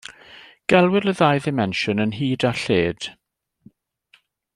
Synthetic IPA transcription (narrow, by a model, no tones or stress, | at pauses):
ɡ̥ɛlˠwɪləðajðɪmɛnʃɔnənɦiːdaɬeːd̥